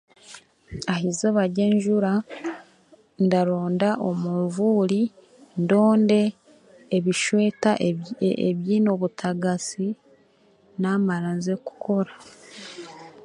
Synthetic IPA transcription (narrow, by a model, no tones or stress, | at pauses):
ahizeβaɟe̞ːɲʒuɾa | ndaɾoːndaʔo̞muɱvuːɾi | ndo̞ːnde̞ː | βiʃwe̞ːtaeβjiːno̞βutʰaɡasi | namaɾanzeku̥kʰo̞ɾa